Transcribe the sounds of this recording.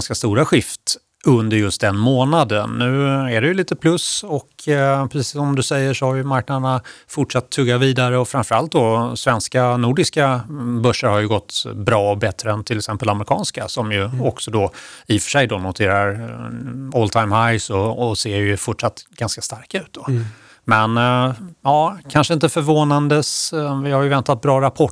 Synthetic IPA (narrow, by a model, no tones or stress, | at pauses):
nskast̪uːɾaɧɪft̪ | ɵnd̪əɾjɵst̪̚d̪ɛnmoːnad̪ənːʉ̟ːɛɖɛjɵliːt̪əpʰlɵsɔkʰpʰɾɛsiiːsːɔmd̪ɵsɛjːəʂɔhaɾjɵmaɾk̚nad̪əɳafʊʈʂat̪ʰːɵɡːaviːd̪aɾəɔfɾaɱfœɾalt̪̚d̪ɔsvɛnskanuːɖɪskabœʂːəɾhaɾjɵɡɔt̪ːbɾɑːɔbɛt̪ɾəɛnt̪ʰɪlɛksɛmpəlaməɾɪkʰɑ̰ːnskasɔmjɵɔksɔd̪ɔɪfœ̥ʂɛjd̪ɔnʊt̪ʰeːɾaɾ | ɔlt̪ʰaɪmhajsɔɔseːɾjɵfʊʈʂat̪ːɡ̥anskḁst̪aɾkaʉ̟ːt̪̚d̪ɔ | mɛnjɑːkʰanʂəɪnt̪əfœɾvoːnand̪əsvɪhaɾjɵvɛnt̪at̪̚bɾɑːɾapʰɔ